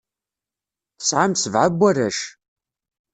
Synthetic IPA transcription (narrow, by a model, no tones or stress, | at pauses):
θə̥sʕamsəvʕabʷːæræʃ